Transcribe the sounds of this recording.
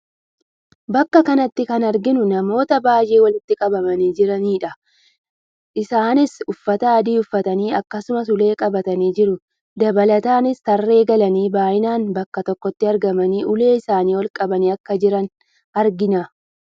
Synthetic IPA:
bɐkːɐkɐnɐt̪ːɪkɐnɐɾɡɪnʊnɐmo̞ːt̪ɐbaːjeːwɐlɪt̪ːɪkʼɐbɐmɐniːd͡ʒɪɾɐniːᶑɐ | ʔɪsaːnɪsʊfːɐt̪ɐːd̪iːʊfːɐt̪ɐniːɐkːɐsʊmɐsʊle̞ːkʼɐbɐt̪ɐniːd͡ʒɪɾʊ | d̪ɐbɐlɐt̪aːnɪst̪ɐrːe̞ːɡɐlɐniːbaːʔɪnaːnbɐkːɐt̪ɔkːɔt̪ːɪɐɾɡɐmɐniːʔʊle̞ːɪsaːniːwɔlkʼɐbɐniːɐkːɐd͡ʒɪɾɐn | ɐɾɡɪnɐ

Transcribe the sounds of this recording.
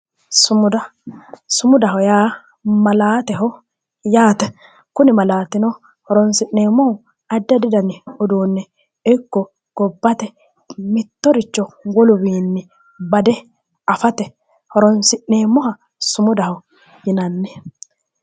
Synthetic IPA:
sʊmʊd̪ɐsʊmʊd̪ɐɦɔjaː | mɐlaːt̪ɛɦɔ | jaːt̪ɛ | kʊnɪmɐlaːt̪ɪnɔ | hɔɾɔnsɪʔneːmːɔhɔ | ɐd̪ːɛd̪ɪd̪ɐnɪɔd̪uːnːɛ | ɪkːɔ | ɡ̥ɔbːɐt̪ɛ | mɪt̪ːɔɾɪt͡ʃːɔwɔlʊwiːnːɪ | bɐd̪ɛ | ɐfɐt̪ɛ | hɔɾɔnsɪʔːeːmːɔhɐ | sʊmʊd̪ɐhɔ | jɪnɐnːɛ

